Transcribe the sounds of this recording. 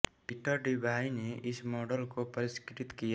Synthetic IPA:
pɪʈəɾɖibʱaineʔɪsmɔːɖəlkopɐɾɪskɪʈɪt̪kija

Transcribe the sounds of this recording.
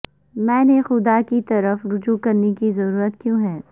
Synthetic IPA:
mɛ̃ːnexʊd̪akit̪ɐɾəfɾʊd͡ʒukɐɾnekizɐɾuːɾət̪kjõːɦɛː

